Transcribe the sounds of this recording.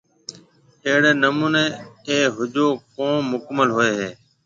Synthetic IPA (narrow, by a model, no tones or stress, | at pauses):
eːɦɽeːnəmuːneːeːɦʊd͡ʒoːkõːmʊkməlɦoːeːɦeː